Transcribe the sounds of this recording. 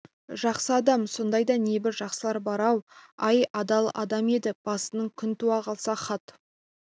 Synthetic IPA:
ʒɑqsəɑd̪ɑmso̞nd̪ɑjd̪ɑne̞bɪɾʒɑqsəlˠɑɾbɑɾɑwɑjɑd̪ɑlˠɑ̰d̪ɑme̞d̪ɪb̥ɑsənəɴkʲʰʏnt̪uɑqɑlˠsɑχɑt̪

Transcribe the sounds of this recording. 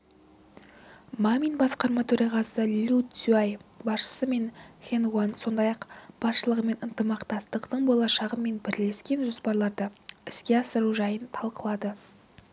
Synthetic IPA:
mamʲinbɑsqɑɾmɑt̪ʰɵɾɑʁɑsəlʲut̪sʲuajbɑsʃə̥səme̞nχʲenuanso̞nd̪ɑjɑqb̥ɑsʃəlˠəʁəme̞nənt̪əmɑqt̪ɑst̪əqt̪əɴbolˠɑʃɑʁəme̞nbɪɾle̞skʲe̞nʒo̞spɑɾlˠɑɾd̪əɪskʲe̞ɑsəɾuʒɑjənt̪ʰɑlˠqəlˠɑd̪ə

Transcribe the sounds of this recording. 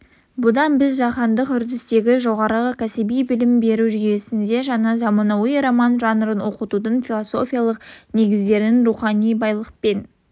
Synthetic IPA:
bʊd̪ɑnbɪzʒɑqɑnd̪əqʏɾd̪ɪst̪e̞ɡʲɪʒo̞ʁɑɾəʁəkʲʰæsɪbijbɪlɪmbe̞ɾuʒʏje̞sɪnd̪e̞ʒɑnɑzɑmɑnɑwəjɾomɑnʒɑnəɾənwo̞qət̪ud̪ənfʲilˠoso̞fʲijalˠəqne̞ɡʲɪzd̪e̞ɾnɪnruχɑnijbɑjlˠəq̚pe̞n

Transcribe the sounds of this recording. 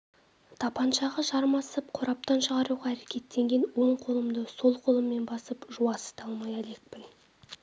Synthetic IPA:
t̪ʰɑpɑnʃɑʁɑʒɑɾmɑsəp̚qʰoɾɑp̚t̪ɑnʃəʁɑɾuʁɑæɾe̞kʲʰe̞t̪ːe̞ŋɡʲe̞nwoɴqʰo̞lˠəmd̪əso̞lˠqʰo̞lˠəmːe̞nbɑsəpʒuɑsə̥t̪ɑlˠmɑjæle̞k̚pɪn

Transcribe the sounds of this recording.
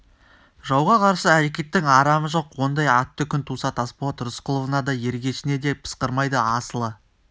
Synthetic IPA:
ʒɑwʁɑqʰɑɾsəæɾe̞kʲe̞t̪ːɪŋɑɾɑməʒo̞qwo̞nd̪ɑjɑt̪ːəkʲʰʏnt̪ʰusɑt̪ɑspot̪ɾʊsqʰəlˠovənɑd̪ɑje̞ɾɡʲe̞ʃɪne̞d̪e̞pʰə̥sqəɾmɑjd̪əɑsəlˠə

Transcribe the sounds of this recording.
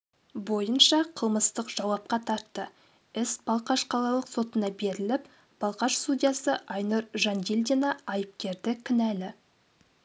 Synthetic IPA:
bo̞jənʃɑqʰəlˠməst̪əqʒ̥ɑwɑp̚qɑt̪ʰɑɾt̪ːə | ɪsb̥ɑlˠqɑʃqʰɑlˠɑlˠəqso̞t̪ənɑbe̞ɾɪlɪp | b̥ɑlˠqɑʃst̪ud̪ʲijɑsəʔɑjnuɾʒɑnd̪ʲilʲd̪ʲenɑɑjəp̚kʲe̞ɾd̪ɪkʲʰɪnælɪ

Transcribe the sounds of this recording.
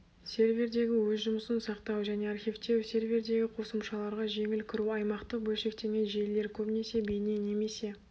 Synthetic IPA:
sʲe̞ɾvʲe̞ɾd̪e̞ɡʲɪwɵzʒʊməsənsɑqt̪ɑwʒæne̞arχʲijft̪e̞wse̞ɾvʲeɾd̪e̞ɡʲɪqʰo̞səmʃɑlˠɑɾʁɑʒe̞ŋɪlkʲʰɪɾuɑjmɑqt̪əbɵlʲʃe̞k̚t̪e̞ɡʲe̞nʒele̞ɾkʲʰɵpne̞se̞be̞ne̞ne̞me̞se̞

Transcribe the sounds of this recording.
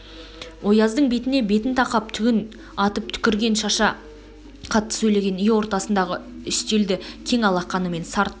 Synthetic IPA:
wo̞jɑzd̪əɴbe̞t̪ɪne̞be̞t̪ɪnt̪ʰɑqɑp̚t̪ʰʏɡʲɪn | ɑt̪əp̚t̪ʰʏ̥kʲɪɾɡʲe̞nʃɑʃɑ | qʰɑt̪ːə̥sɵjle̞ɡʲe̞nɪjɪwo̞ɾt̪ɑsənd̪ɑʁəʏʃt̪eld̪ɪkʲʰe̞ŋɑlˠɑqːɑnəme̞nsɑɾt̪

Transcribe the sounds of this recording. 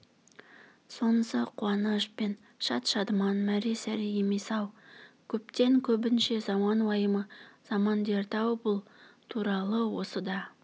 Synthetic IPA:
so̞nəsəqʰʊɑnəʃpen | ʃɑt̪ʃɑd̪əmɑnmæɾesæɾijemesɑwkʲʰɵp̚t̪e̞ŋkʲʰɵbɪnʃe̞zɑmɑnwɑjəməz̥ɑmɑnd̪e̞ɾt̪ʰɑwbʊlˠt̪ʰuɾɑlˠəwo̞səd̪ɑ

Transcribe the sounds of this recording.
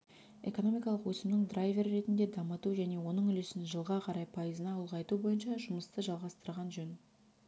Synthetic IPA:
e̞̰ko̞no̞mijkɑlˠəqwɵsɪmnɪŋd̪rajvʲe̞ɾːe̞t̪ɪnd̪e̞d̪ɑmət̪uʒæne̞wo̞nəɴʏlesɪnʒəlˠʁɑqʰɑɾɑjpʰɑjəzənɑulˠʁɑjt̪ubo̞jənʃɑʒʊməst̪əʒɑlˠʁɑst̪əɾʁɑnʒɵn

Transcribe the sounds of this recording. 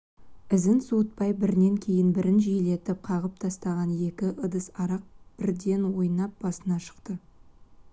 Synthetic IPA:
ɪzɪnsuət̪̚pɑjbɪɾɪne̞ŋkʲʰe̞jɪnbɪɾɪnʒijɪle̞t̪ɪp̚qʰɑʁəp̚t̪ʰɑst̪ɑʁɑnje̞kʲɪʔəd̪əsɑɾɑq̚b̥ɪɾd̪e̞nwo̞jənɑp̚b̥ɑsənɑʃə̥qt̪ə

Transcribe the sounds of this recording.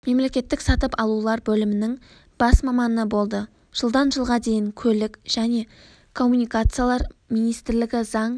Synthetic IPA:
me̞mle̞kʲe̞t̪ːɪksɑt̪əpɑlˠulˠɑɾbɵlɪmɪnɪŋ | b̥ɑsmɑmɑnəbo̞lˠd̪ə | ʒ̥əlˠd̪ɑnʒəlˠʁɑd̪e̞jɪŋkʲʰɵlɪkʲʒ̥æne̞ | kʰo̞mːunijkat̪sɨjalˠɑɾminijst̪ɪɾlɪɡʲɪzɑɴ

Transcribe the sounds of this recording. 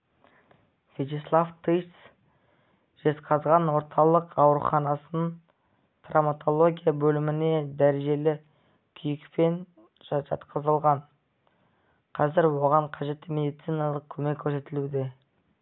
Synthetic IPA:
fʲet̪islˠaft̪ʰɨj̪s | ʒ̥e̞t̪qɑzʁɑnwo̞ɾt̪ʰɑlˠəqɑwɾṵχɑnɑsəən | t̪ʰramat̪ʰo̞lˠo̞ɡʲijabɵlɪmɪne̞d̪æɾeʒe̞lɪ | kʲʰʏjɪkpe̞n | ʒʒɑ̰t̪qəzəlˠʁɑɴ | qʰɑzɪɾwo̞ʁɑɴqʰɑʒe̞t̪ːɪme̞d̪ijt̪sijnɑlˠəq̚kʲʰɵmekʲʰːɵɾse̞t̪ɪlud̪e̞

